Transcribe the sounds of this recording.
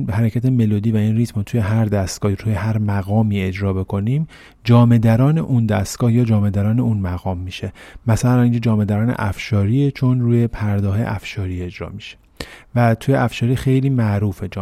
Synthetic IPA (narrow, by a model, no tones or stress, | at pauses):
hæɾecʰæt̪ʰe̞melod̪iːvæiːnriːt̪ʰmt̪ʰuːje̞ɦæɾd̪æst̪ɡ̥ɒːhiɾuːjehæɾmæɣɒːmiːe̞d͡ʒɾɒːbe̞kʰo̞niːm | d͡ʒɒːme̞d̪æɾɒːne̞ʔund̪æst̪ɡ̥ɒːhjɒːd͡ʒɒːme̞d̪æɾɒːne̞unmæɣɒːmːiːʃe̞mæsælæniːnd͡ʒɔːd͡ʒɒːme̞d̪æɾɒːnḛʔæfʃɒːɾiːet͡ʃʰonɾuːjepʰæɾd̪ɒːɦeḛʔæfʃɒːɾiːe̞d͡ʒɾɒ̰ːmiʃe̥ | væt̪ʰuːjeæfʃɒːɾiːxe̞jliːmæʔɾuːfed͡ʒ